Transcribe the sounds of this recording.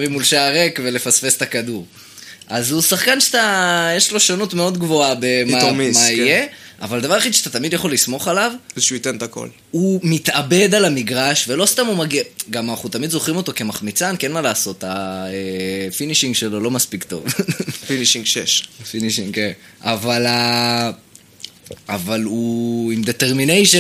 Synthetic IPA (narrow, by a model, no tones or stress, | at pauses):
mimulʃaaʁekve̞le̞fasfest̪akad̪uʁ | ʔazusaχkanʃeat̪ajeʃlo̞ʃanut̪me̞o̞d̪ɡvo̞abemamimaijea̰vald̪avaʁaχid̪ʃeat̪at̪amid̪jaχo̞lismo̞χalavzʃuit̪ent̪ako̰l | umit̪ʔabe̞d̪alamiɡʁaʃve̞lo̞st̪amumaɡiɡamanaχnut̪amid̪zo̞χʁimo̞t̪o̞ke̞maχmit͡sankenmalaːso̞t̪aefiniʃiŋɡʃe̞lo̞lo̞maspikt̪o̞̰vfiniʃiŋɡʃeʃfiniʃiŋken | avala | avaluimd̪e̞t̪eʁminejʃe